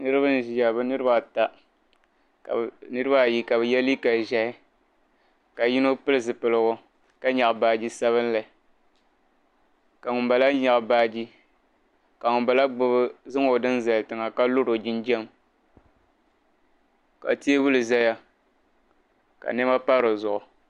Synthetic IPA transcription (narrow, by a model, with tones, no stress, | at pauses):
nɨ˦ɾɨ˦bɨ˦n˨ʒi˨ja˨bɨ˦nɨ˦ɾɨ˦ba˨ta˨ | nɨ˦ɾɨ˦ba˦˨ji˦ka˨bɨ˨jɛ˦li˦ka˨ʒa˦hɪ˦ | ka˨ji˦no˦pɨ˦lɨ˨zɨ˨pɨ˨lɨ˨ɡʊ˦ | ka˦ɲa˨ʔbaː˨d͡ʒi˦sa˦βɨ˦n˦la˨ɪ˨ | ka˨ŋʊ˨mba˨la˦ɲa˨ʔbaː˦d͡ʒi˦ | ka˨ŋʊ˨mba˨la˦ɡ͡bʊ˦bɨ˦zɨ˦ŋo˨dɨ˦n˦za˨ltɨ˨ŋa˨ka˦lo˦ɾo˨d͡ʒɪ˦nd͡ʒɛ˦m | ka̰˨ti˦e˦bu˦lɨ˨za˦ja˦ | ka̰˨nɛ˦ma˦pa˦ɾo˨zʊ˨ʔʊ˨